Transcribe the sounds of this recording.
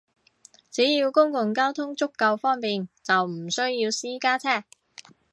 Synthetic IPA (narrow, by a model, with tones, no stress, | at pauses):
t͡siː˨˥jiː˧wkʊ˥ŋkʊ˨˧ŋkaː˥wt̪ʰʊ˥ŋt͡sʊ˥kːɐ˧wfɔː˥ŋpiː˨nt͡sɐ˨wm̩˨˩sɵ˥ɥjiː˧wsiː˥kaː˥t͡sʰɛː˥k̚